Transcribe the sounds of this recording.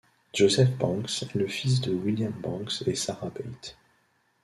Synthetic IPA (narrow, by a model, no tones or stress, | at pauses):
ʒ̥ozɛfbɑ̃ksɛləfis̬d̪əwiljambɑ̃ksesaʁabɛjt̪